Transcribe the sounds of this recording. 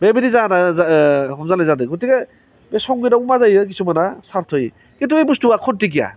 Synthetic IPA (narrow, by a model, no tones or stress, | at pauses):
bebinizanazɦɔmzanajzadɯɡutiɡa | besɔŋɡidawmazajɯk̬isumanasaɾtʰɔj | ketuebustuakʰɔntik̬ija̰